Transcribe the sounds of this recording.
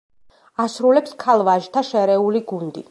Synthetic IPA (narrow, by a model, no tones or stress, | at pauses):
asɾulɛpskʰalˠvaʒt̪ʰaʃɛɾɛuliɡund̪i